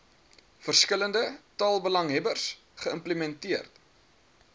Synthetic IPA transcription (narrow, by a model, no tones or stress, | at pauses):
fərskələndətɑːlˠbəlɐŋɦɛbərs | χəəmpləmɛntiərt